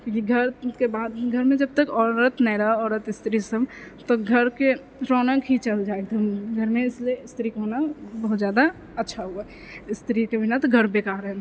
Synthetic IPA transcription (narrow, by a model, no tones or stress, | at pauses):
kõkiɡʱəɾkebaːd̪ɡʱəɾmẽd͡ʒəb̚t̪əkɔːɾət̪nɛːɾaɔːɾət̪ɪst̪ɾisəmt̪oɡʱəɾke | ɾɔːnəkɦit͡ʃəld͡ʒaːek̚t̪əmɡʱəɾmẽɪslieɪst̪ɾikeɦonabəɦʊt̪zjaːd̪a | ətːʃʰaɦua | ɪst̪ɾikebɪnat̪oɡʱəɾbeːkaːɾɦɛ